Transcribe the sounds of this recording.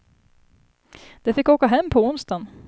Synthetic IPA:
d̪̥ɛfɪkːoːkaɦɛmːpʰɔʊnst̪an

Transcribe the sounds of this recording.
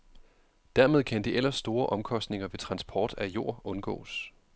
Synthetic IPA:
d̥æɐmeð̞ˠkʰænd̥iʔel̰ɐsːd̥o̝ːɐʔɒ̽mkʰɒ̽sd̥ne̝ŋɐʋe̝t͡sʰʁɑ̈nsb̥ʰɒːd̥æjo̝ɐ̰ɔ̽nɡ̥ɔ̰̽ːs

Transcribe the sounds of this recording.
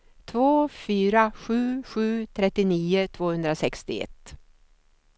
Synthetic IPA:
t̪ʰvoːfyːɾaɧʉ̟ːɧʉ̟ːt̪ʰɾɛt̪ːɪniːʊt̪ʰvoːhɵnd̪ɾasɛkst̪ɪ̰ɛ̰t̪ː

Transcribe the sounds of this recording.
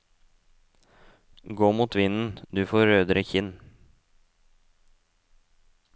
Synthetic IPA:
ɡoːmuːt̪ʋɪnn̩d̪ʉːfoːɾøːd̪əɾəçɪn

